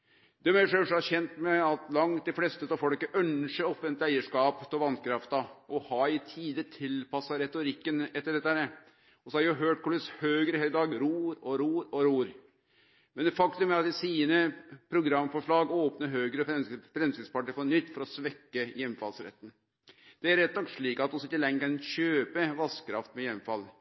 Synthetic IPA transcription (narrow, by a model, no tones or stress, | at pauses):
d̪̥ɛmæʂøːʂɑæɕɛnt̪mɛɑt̪lɑŋt̪̚d̪ɛflɛst̪ət̪ɑfɔlkːəʔœnʂəɔfʋɛnt̪æɪəʂkɑːpt̪ʰɔlʋɑnkʰɾɑft̪ɑɔhɑːɪt̪ʰiːd̪ət̪ʰɪlpɑsːɑɾɛt̪ʊɾɪkːənɛt̪ːəɖɛt̪ːəhæːɾə | ɔsɔhɑɾɪɑɦøːʈ̚kʰʊlɭɪshøːɡɾəhæːlɪd̪ɑːɡɾuːɾɔɾuːɾɔɾuːɾ | mɛnd̪ɛfɑkt̪ʉmæɾɑt̪ɪsiːnəpʰɾʊɡɾɑmːfɔʂɭɑːɡoːpnəɾɦøːɡɾəɔfɛfɾɛmsɪnspɑʈːəfɔɳʏt̪ːfɔɾɔsʋɛkːəjɛmːfɑlsɾɛ̰t̪ːn̩ | d̪̥ɛæɾɛt̪ːnɔkʂɭiːkɑt̪ːɔsɔɪt̪ːəlɛŋːkɑnɕøːpəʋɑskʰɾɑ̰ft̪mɛjɛmːfɑlː